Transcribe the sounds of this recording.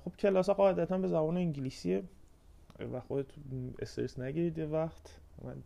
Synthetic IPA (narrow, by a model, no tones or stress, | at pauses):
xob̥cʰe̞lɒːsɒɢɒːed̪æt̪ʰænbe̞zæbɒːneiŋɟiliːsie | væxod̪et̪ʰḛst̪eɾesnæɟiɾid̪jevæχt̪ʰmæ̰n